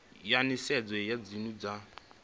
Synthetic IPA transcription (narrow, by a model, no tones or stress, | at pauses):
janisɛd͡zɛjad͡zinud͡za